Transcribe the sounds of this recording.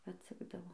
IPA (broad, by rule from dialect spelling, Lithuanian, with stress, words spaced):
ɐtʲˈsʲæːɡdɐʋoː